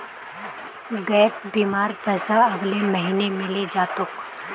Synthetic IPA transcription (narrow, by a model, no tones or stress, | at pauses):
ɡɛːp̚biːmaːɾpɛːsaɐɡlemɐɦiːnemẽled͡ʒaːt̪ʊk